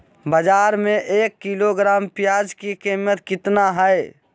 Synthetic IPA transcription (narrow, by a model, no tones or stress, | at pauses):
bəd͡ʒaːɾmẽʔeːkːiloɡɾaːmpɪjaːd͡ʒkikiːmət̪kɪt̪naɦɛj